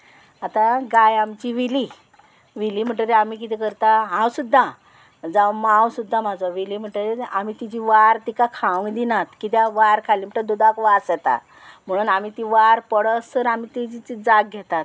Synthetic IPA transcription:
at̪ãɡajamt͡ɕiʋili | ʋilim̤əɳʈəɾeamiːk̬it̪ɛkəɾt̪aɦãwsud̪ʱːa | d͡zaʋmawsud̪ʱːamad͡zaʋilim̤əʈəɾeamit̪id͡ʑiʋaɾt̪ikakʰãʋuŋɡd̪inat̪kit̪̬jãʋaɾkʰaliːm̤əɳʈ̪d̪ud̪akʋasɛt̪a̰ | m̤əɽ̃uːnamiːt̪iʋaɾpəɽəsəɾamiːt̪id͡ʑit͡sid͡zaɡɡʱɛt̪at̪̚

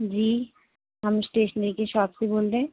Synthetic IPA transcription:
d͡ʑi | amsʈeʃənikeʃɔb̚sibold̪e

